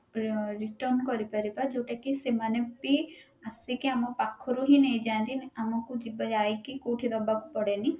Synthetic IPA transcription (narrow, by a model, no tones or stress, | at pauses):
ɾiʈɔnkɔɾipaɾipad͡ʒowʈakisemanebi | asikiamɔpakʰɔɾuɦĩnejd͡ʒant̪inamɔkud͡ʒibɔd͡ʒajkikoʈʰid̪ɔbaku̥pɔɽeni